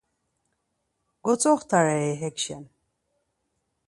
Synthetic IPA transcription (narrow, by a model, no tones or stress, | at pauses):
ɡ̥ɔt͡sʼɔχt̪ʰaɾɛɛɦɛkʃɛn